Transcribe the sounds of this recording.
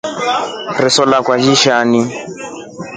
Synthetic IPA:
rɪsɔlakwad͡ʒiʃani

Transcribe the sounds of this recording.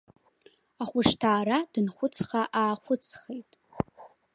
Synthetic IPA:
aχʷʊʂtʰaːɾadɨnχʷʊt͡sʰχaʔaːχʷʊt͡sʰχejtʼ

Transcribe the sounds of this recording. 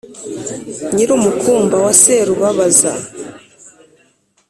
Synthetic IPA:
ɲiɾumukuːmbawaseɾuβaβaza̰

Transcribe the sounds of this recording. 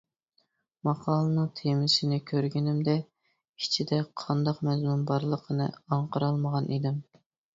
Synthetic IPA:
mɑqʰɑːlˠənɨŋt̪ʰemɪʃɪnɪkʲʰøɾɡʲinɪmd̪ɛ | it͡ʃʰid̪ɛqʰɑnd̪ɑqmɛzmunbɑɾlˠəqʰənɨ̰ɑɴqʰəɾɑlˠməʁɑnʔid̪ɪm

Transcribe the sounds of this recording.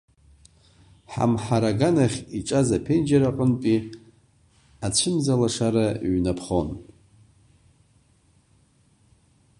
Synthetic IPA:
ħa̰mħaɾaɡanaχʲiʈ͡ʂʼazapʰend͡ʒaɾaħʷʊnpʼi | at͡ɕʷʰɨmzalaʂaɾaɥnapʰχo̞n

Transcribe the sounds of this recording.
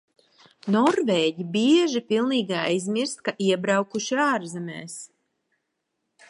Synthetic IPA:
nɔɾvɛːɟibiɛʒipilˠniːɡajzmiɾst̪̚kaʔiɛbɾawkuʃiaːɾzɛmɛ̰ːs

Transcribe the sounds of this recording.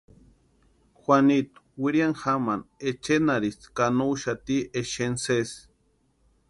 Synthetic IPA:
xʷanit̪u̥wiɾiaŋxamanet͡ʃenaɾiskanuwʃat̪ieʃenses

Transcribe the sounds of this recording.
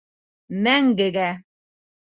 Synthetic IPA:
mæŋɡɘɡæ

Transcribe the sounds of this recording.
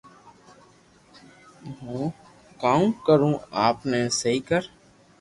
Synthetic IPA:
ɦũː | kaːũkəɾũːaːpneːsɦiːkəɾ

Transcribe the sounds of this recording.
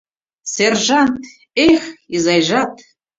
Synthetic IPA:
serʒant | eχʲizajʒat̪ʰ

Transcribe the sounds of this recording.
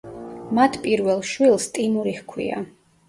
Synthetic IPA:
mat̪ʰpʼiɾvɛlˠʃwilˠst̪ʼimuɾihkʰwḭa̰

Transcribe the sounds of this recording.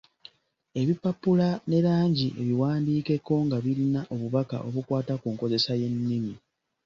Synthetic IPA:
e̞βipapːulane̞ɾaːɲɟiʔe̞̰βiwaːndiːke̞ko̞ŋɡaβiɾinaʔo̞βuβaka̰ʔo̞βukwaːtakuːŋko̞ze̞saje̞nːimi

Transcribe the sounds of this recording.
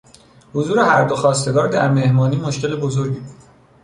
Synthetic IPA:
hozuːɾe̞hæɾd̪oxɒːst̪e̞ɡɒːɾd̪æɾme̞hmɒːniːmo̞ʃce̞lebozo̞ɾɟibu̥

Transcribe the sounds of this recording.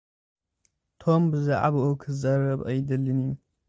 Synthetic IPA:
t̪ʰombɨzɨʔa̰bokʰɨzɐɾɐbɐjd̪ɨlːɨni

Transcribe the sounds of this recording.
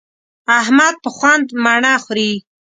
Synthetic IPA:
ahmad̪̚pəxwand̪maɳaxɾi

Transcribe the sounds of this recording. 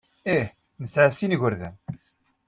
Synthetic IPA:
iħ | nəsʕasinʝəɾðæ̰n

